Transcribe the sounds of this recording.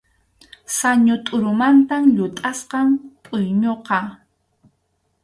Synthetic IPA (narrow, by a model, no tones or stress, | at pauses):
saɲʊt̪ʼʊɾʊmant̪amʎʊt̪ʼasqɑmtʼʊjɲoqɑ